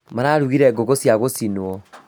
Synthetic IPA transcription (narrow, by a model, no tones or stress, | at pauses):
maɾaɾuɣiɾɛɡoɣosjaɣosinoɔ